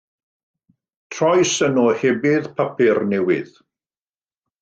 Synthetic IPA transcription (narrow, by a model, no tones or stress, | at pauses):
tʰrɔjsənɔhɛbɪðpʰapɪrnɛwɪ̰ð̥